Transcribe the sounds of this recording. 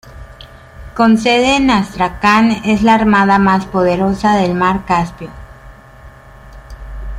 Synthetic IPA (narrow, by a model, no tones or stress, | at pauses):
ko̞nseðenast̪ɾakane̞zlaːɾmaðamaspo̞ðe̞ɾo̞saðe̞lmaɾkaspjo